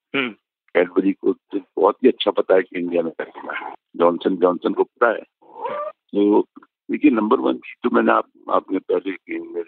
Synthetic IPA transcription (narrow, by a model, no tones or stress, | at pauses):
ɦ | kɛːɖʋəɾikot̪obɔːt̪ɦiɐtːʃʰapɐt̪aɦɛkiɪ̃ɳɖijamẽkɐɾt̪ɪnaɦɛd͡ʒɔːnsənd͡ʒɔːnsənkop̚ɐt̪aɦɛ̰ː | t̪oː | leːkʰienɐ̃mbəɾʋɐ̰nk̪ʰit̪omɛːnea̰ːp̚a̰ːpnepɛɦlekenme